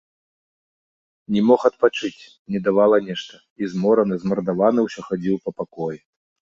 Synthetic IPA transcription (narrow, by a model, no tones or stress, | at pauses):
nʲɛmɔxɐt̪̚pat͡ʂɨt͡sʲ | nʲɛd̪avalˠɐnʲɛʂt̪ɐ | izmɔɾɐnɨzmɐrd̪avanɨwsʲɔxad͡zʲiwpɐpakɔju